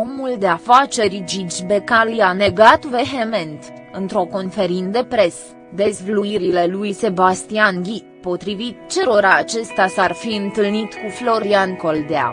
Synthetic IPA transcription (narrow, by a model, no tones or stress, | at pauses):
o̞muld̪e̞afat͡ʃe̞ɾd͡ʒid͡ʒbe̞kalujane̞ɡat̪ve̞ɦeme̞nt̪ | ɨnt̪ɾo̞ko̞nfe̞ɾind̪e̞pɾe̞s | d̪e̞zvluiɾile̞lujse̞bast̪ianɡʲi | po̞t̪ɾivit̪̚t͡ʃe̞ɾo̞ɾaːt͡ʃe̞st̪asarfiɨnt̪ɨlnit̪kuflo̞ɾianko̞ld̪ea̰